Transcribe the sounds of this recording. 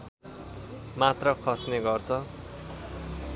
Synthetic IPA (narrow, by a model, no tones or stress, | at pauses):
mat̪rʌkʰʌsneɡʌrt͡sʰʌ